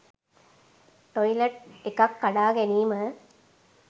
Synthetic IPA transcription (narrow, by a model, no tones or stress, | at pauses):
ʈojileʈ̚ekɐkːɐɖaːɡeniːmə